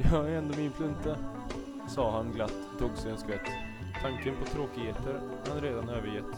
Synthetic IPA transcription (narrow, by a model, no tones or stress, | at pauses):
jɑːɛnd̪ɔmɪnfʰlɵnt̪a | sɑːɦanɡlat̪ːt̪ʰːuːɡsɛɛnskvɛt̪ːt̪ʰaŋkənpʰɔt̪ʰɾoːkɪheːt̪əɾ | hanɾeːd̪anøːvəɾjɛt̪ː